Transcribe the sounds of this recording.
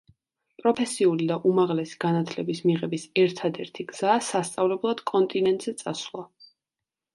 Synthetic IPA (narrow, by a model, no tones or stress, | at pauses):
pʼɾɔpʰɛsiulid̪aʔumaʁlɛsi̥ɡ̥anat̪ʰlɛbismiʁɛbisɛɾt̪ʰad̪ɛɾt̪ʰiɡz̥aːsast̪sʼavlɛblˠad̪̥kʼɔnt̪ʼinɛnt̪ʼzɛt̪sʼasvlˠa